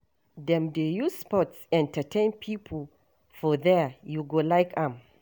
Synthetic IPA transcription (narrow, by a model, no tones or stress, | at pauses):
dɛ̃mdejuspɔtsɛ̃ntətʰẽnpʰipʰl | fɔðɛjuɡolajkãm